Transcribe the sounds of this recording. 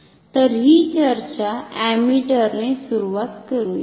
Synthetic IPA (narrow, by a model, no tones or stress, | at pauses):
t̪əɾɦit͡ɕəɾt͡ɕaæmiʈəɾnesuɾuʋat̪kəɾuːje